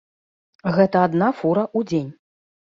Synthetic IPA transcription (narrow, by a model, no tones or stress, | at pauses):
ɣɛt̪ɐad̪nafuɾɐʔud͡zʲenʲ